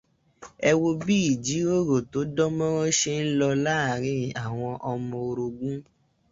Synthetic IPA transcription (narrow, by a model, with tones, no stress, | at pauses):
ɛ˧wo˧bi˦i˨d͡ʒi˨˦o˦ɾo˦˨to˨˦dɔ˦mɔ̃˦ɾɔ̃˦ʃe˧n̩˦lɔ˧la˦˨ɾ̃ĩ˧˨a˨w̃ɔ̃˧ʔɔ˧mɔ̃˧o˧ɾo˧ɡũ˦